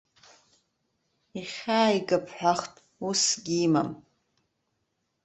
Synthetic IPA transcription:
iχʲaːiɡapʰħʷᶣaχtʼ | usɡʲima̰m

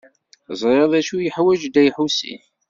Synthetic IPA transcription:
zˤɾeðˤæʃujəħwæd͡ʒd̪æjħusḭ

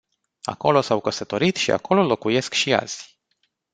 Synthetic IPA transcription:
a̰ko̞lo̞sawkəsət̪o̞ɾit̪ʃia̰ko̞lo̞lo̞kuje̞skʃia̰z̥ʲ

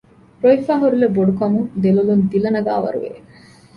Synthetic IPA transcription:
pɾoifaːɦuɾuleboɖukɐmud̪elulund̪ilɐnɐɡa̰ːʋɐ̰ɾṵʋḛ

